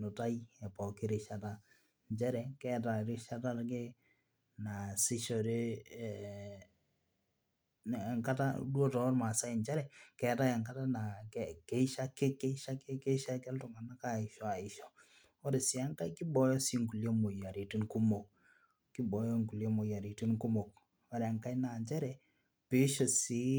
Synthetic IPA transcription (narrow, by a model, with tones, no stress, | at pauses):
nʊ˨ta˦jɛ˨pɔ˨ki˦ɾe˨ʃa˨ta˦ | ɲt͡ʃɛ˦ɾɛ˨kɛ˦ta˨ɾɪ˦ʃa˦ta˦ɾke˦ | na˨sɪ˦ʃɔ˨ɾe˦˨ | ŋka˦ta̰˦dwɔ˦tɔ˨˦ɾma˨sa˦˨nt͡ʃɛ˦ɾɛ˨kɛ˨ta˦ɛ˨ŋɡa˦ta˦na˨kɛ˨kɛ˦i˦ʃa˦ke˦kɛ˦i˦ʃa˦ke˦ke˦ʃa˦kɛ˦ltʊ˨ŋa˨na˦ka˦˨ɪ˨ʃɔ˦˨a˨ɪ˨ʃɔ˨ | ɔ˦ɾe˨sɪ˨a˦ŋka˦ki˦bɔ˨jɔ˦si˦ŋɡu˨ljo˦mo˨ja˨ɾi˨ti˦ŋku˦mo˨k̚ | ki˦bɔ˨jɔ˦ŋɡu˨ljɔ˦mo˨ja˨ɾi˨ti˦nku˦mo˨k̚ | ɔ˦ɾe˨a˨ŋka˦jna˨nt͡ʃɛ˦ɾɛ˨ | pe˨˦ʃɔ˨si˦